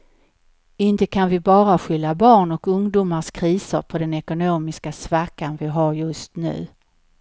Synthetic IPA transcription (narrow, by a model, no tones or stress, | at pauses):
ɪnt̪əkʰanvɪbɑːɾaɧʏlːabɑːɳɔkɵŋd̪uːmaskʰɾiːsəɾpʰɔd̪ɛnɛkʊnoːmɪskasvakːanvɪɦaɾjɵst̪nʉ̟̰ː